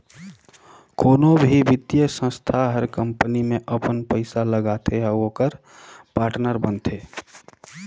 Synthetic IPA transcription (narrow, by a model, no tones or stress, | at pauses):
koːnobʱiʋɪt̪jəsə̃st̪ʰaɦəɾkə̃mpənimẽʔəpənpəɪsaləɡat̪ʰeɦaokəɾ | paːɾʈnəɾbənt̪ʰeː